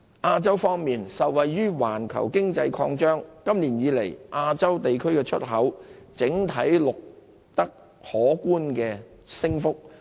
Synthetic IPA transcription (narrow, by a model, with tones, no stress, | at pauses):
ʔaː˧t͡sɐ˥wfɔː˥ŋmiː˨˩nsɐ˨wwɐ˨jːyː˥waː˨˩nkʰɐ̰˨˩wkɪ˥ŋt͡sɐ˧jkʰɔː˧ŋt͡ʃœː˥ŋkɐ˥mliː˨˩njiː˨˧le˨˩jʔaː˧t͡sɐ˥wt̪e˨jkʰɵ˥ɥkɛː˧t͡ʃʰɵ̰˥t̚ɦɐ˨˥wt͡sɪ˨˥ŋt̪ʰɐ˨˥jlʊ˨k̚ | t̪ɐ˥k̚ | hɔː˨˥kuː˥nkɛː˧sɪ˥ŋfʊ˥k̚